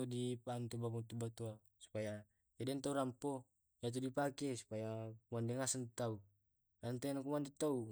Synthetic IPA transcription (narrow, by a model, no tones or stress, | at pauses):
ɔdipant̪ubakunt̪ubat̪ua | su̥paja | jadɛnt̪auɾampo | jat̪̬udipakɛsu̥pajakumandɛŋasant̪au | ant̪ɛnakumandɛt̪au